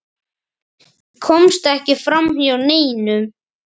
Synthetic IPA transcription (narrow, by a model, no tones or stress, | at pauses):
kʰɔmst̪ɛhcɪfɾamhiawneːjnʏm